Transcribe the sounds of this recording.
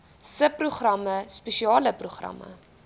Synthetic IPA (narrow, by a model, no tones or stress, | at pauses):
səpruχrɐməspeʃiɑːləpruχrɐ̰mə̰